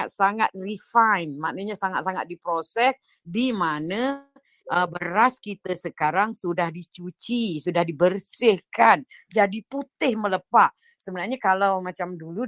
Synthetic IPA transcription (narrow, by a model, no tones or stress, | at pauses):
at̪̚saŋat̪̚rifajnmaʔnəɲasaŋat̪̚saŋa̰t̪̚dipɾosɛs | dimana | əbəɾaskit̪əsəkaɾaŋsudahdit͡ʃut͡ʃisudahdibərsɪhkand͡ʒadiput̪ɪhmələpaʔ | səbənarɲakalawmat͡ʃamdulu